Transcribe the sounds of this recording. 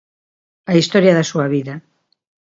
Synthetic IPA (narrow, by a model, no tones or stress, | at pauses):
aist̪oɾjaðasuaβiða